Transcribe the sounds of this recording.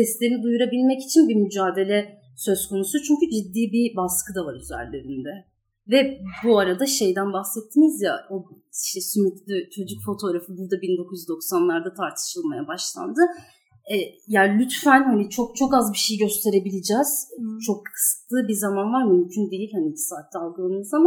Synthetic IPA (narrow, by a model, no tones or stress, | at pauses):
sɛst̪lʲeinid̪ujuɾabilʲmɛci̥t͡ʃʰinbimyd͡ʒaːd̪e̞lʲɛ | sø̞zkʰo̞nusut͡ʃʰyɲcyd͡ʒid̪ːiːbibaskʰɯd̪avaɾyzæ̰ɾlʲːeɾind̪ɛ | vɛbuaɾad̪aʃe̞jd̪ænbahsɛt̪ʰːinizja̰o̞ | iʃt̪ʰɛsymytlʲyt͡ʃʰo̞d͡ʒycfo̞t̪ʰo̞ːɾafɯbuɾd̪abind̪o̞kʰujyzd̪o̞ksanlˠaɾd̪at̪ʰaɾt̪ʰɯ̥ʃɯlˠmajabaʃlˠa̰nd̪ɯ | ɛjaːlʲyt̪fænhanit͡ʃʰo̞k̚t͡ʃʰo̞kazbiʃe̞jiɟø̞st̪ʰe̞ɾe̞bilʲid͡ʒɛːz̥t͡ʃʰo̞kːʰɯ̥sɯ̥klˠɯːbizamanvaɾmymcʰynd̪ejilʲhanit͡ʃʰi̥saːt̪ʰːʲɛalˠɡɯlˠanɯzama